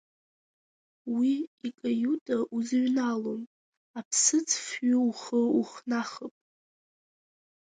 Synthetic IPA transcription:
wiikʼajutʼaʔuzɨɥnalom | apʰsɨt͡sʰfɥʊuχəuχnaχəpʼ

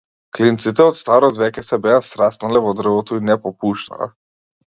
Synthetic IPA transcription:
klint̪sit̪ɛɔt̪st̪aɾɔt̪vɛkɛsɛbɛasɾasnalɛvɔd̪r̩vɔt̪ɔinɛpɔpuʃt̪a̰a̰

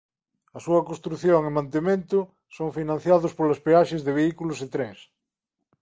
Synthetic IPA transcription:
ɐsuɐkõst̪ɾuθjoŋemãnt̪emẽnt̪ʊ | soŋfinãn̟θjaðʊspolaspeaʃezðeβeikulʊset̪ɾes

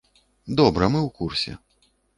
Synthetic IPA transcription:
d̪ɔbɾɐmɨwkursʲɛ̰

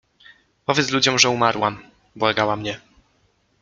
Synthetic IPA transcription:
pɔvjɛt̪lud͡ʑɔmʐɛumaɾwam | bwaɡawamɲɛ

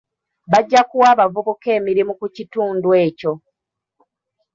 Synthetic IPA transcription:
βaɟːakuwaːβavuβuke̞ːmiɾimukucituːndwe̞ːco̞

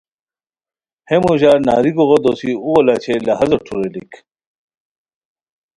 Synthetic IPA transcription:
hemuʑaːɾna̰ːɾiɡoʁɐd̪osiuwɐlat͡ɕʰelɐɦɐzɐʈ͡ʂʰuɾelḭk

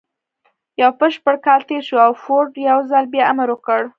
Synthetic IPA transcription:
jawpəʃpəɽkɑlt̪eɾʃuawfoʈjawzalbjɑamaɾwukəɽ

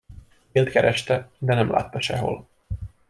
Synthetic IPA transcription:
eːlt̪kɛɾʔɛʃt̪ɛd̪ɛnɛmlʔa̰ːt̪ːɒʃɛ̰ɦo̞̰l

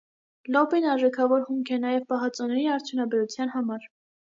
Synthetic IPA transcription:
lɔbinɑɾʒɛkʰɑvɔɾχumkʰɛnɑjɛvpɑɦɑt͡sɔnɛɾiɑɾt͡sʰjunɑbɛɾut͡sʰjɑn̪hɑmɑɾ

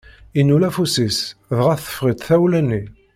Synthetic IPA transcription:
inːulæfusisðʁæθə̥fʁit̪θæwlænːi

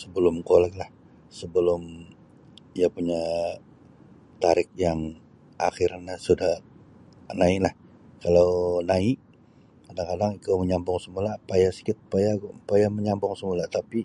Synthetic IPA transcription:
səbəlʊmkolɛk̚lah | səbəlʊm | iapuɲa | t̪aɾɪk̚jaŋ | ʔa̰xɪrɲasudah | naɪlah | kalawnaiʔ | kadaŋkadaŋikawməɲambɔŋsəmulapajasi̥kɪt̪̚pajaɡpajaməɲambɔŋsəmulat̪api

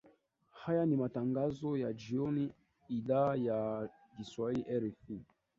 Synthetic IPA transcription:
hajanimataŋɡazɔjad͡ʒiɔni | iɗaja | diswaiʔɛɾɛfi

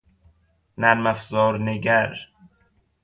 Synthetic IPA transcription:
næɾmæfzɒːɾneɡæɾ

